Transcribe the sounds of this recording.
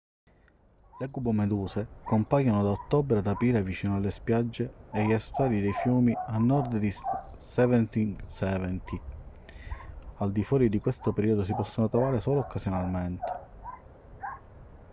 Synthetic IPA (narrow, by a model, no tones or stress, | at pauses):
leɡubomed̪uːsekompajanod̪aot̪ːɔbɾad̪apiːɾavit͡ʃiːnoalːespjad͡ʒːeːʎast̪waːlid̪ejfjuːmianːɔɾd̪d̪i | sɛvɛnt̪iŋsɛːvɛnt̪ʰi | ald̪ifwɔːɾid̪ikwest̪opeɾiːod̪os̬ipɔsːonot̪ɾɔvaːɾesɔːloːkːasjonalment̪e̥